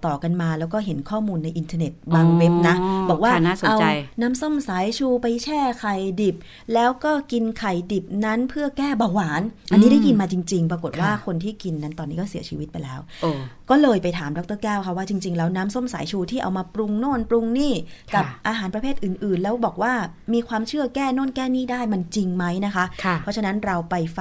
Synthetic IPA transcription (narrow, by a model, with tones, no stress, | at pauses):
t̪ɔː˨˩ka˧nmaː˧lɛː˦˥wkɔː˥˩ɦe˩˦nkʰɔː˥˩muː˧nːa˧jʔi˧nt̪ʰaː˧ne˨˩t̪̚baː˧ŋwe˦˥p̚na˦˥bɔː˨˩k̚wːnː˥˩so˨ʔa˦˧wa˧jnaː˦˥mso˥˩msaː˩˦jt͡ɕʰuː˧pa˧jt͡ɕʰɛː˥˩kʰa˨˩jdi˨˩p̚ | lɛː˦˥wkɔː˥˩ki˧nkʰa˨˩jdi˨˩p̚na˦˥npʰɯ˥˩ɐkɛː˥˩baː˧waː˩˦nʔa˧nːiː˦˥da˥˩jki˧nmaː˧t͡ɕi˧ŋt͡ɕi˧ŋpɾa˧ko˨˩t̪̚waː˥˩kʰo˧nt̪ʰiː˥˩ki˧nːa˦˥nt̪ɔː˧nːiː˦˥kɔː˥˩si˩˦t͡ɕʰiː˧wi˦t̪̚pa˧jlɛː˦˥wʔkɔː˥˩lɤː˧jpa˧jt̪ʰaː˩˦mdɔ˦˥k̚t̪ɤː˥˩kɛː˥˩wkʰa˦˥waː˥˩t͡ɕi˧ŋt͡ɕi˧ŋlɛː˦˥wnaː˦˥mso˥˩msaː˨˩˦jt͡ɕʰuː˧t̪ʰiː˥˩ʔa̰˧wmaː˧pɾu˧ŋnoː˥˩npɾu˧ŋniː˥˩kka˨˩p̚ʔaː˧ɦaː˩˦npɾpʰeː˥˩t̪̚ʔɯː˨˩nʔɯː˨˩nlɛː˦˥wbɔː˨˩k̚waː˥˩miː˧kʰwaː˧mt͡ɕʰɯ˥˩ɐkɛː˥˩noː˥˩˨nkɛː˥˩niː˥˩daː˥˩jma˧nt͡ɕi˧ŋma˦˥jna˦˥kʰa˦˥ʔkʰpʰɔ˦˥t͡ɕʰa˧na˦˥nɾa˧wpa˧jf